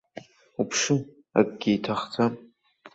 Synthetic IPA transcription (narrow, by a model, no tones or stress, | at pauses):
upʰʂɨ | a̰kʼɡʲejtʰaχt͡sa